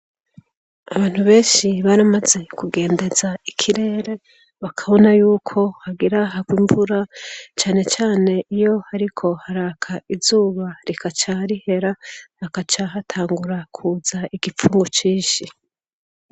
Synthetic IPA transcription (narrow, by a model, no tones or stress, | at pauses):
a̰βaːn̥huβe̞ːnʃiβaɾamaze̞kuɡe̞ːnde̞zaikʰiɾe̞ːɾe̞ | βakʰaβo̞najuːkʰo̞haɡiɾaɦaɡwimvuɾat͡ʃaːne̞t͡ʃaːne̞ʔijo̞haɾikʰo̞haɾaːkʰaizuːβaɾikat͡ʃaɾihe̞ɾahakat͡ʃaɦatʰaːŋɡuɾakʰuːzaiɡip͡fuːŋɡot͡ʃiːnʃi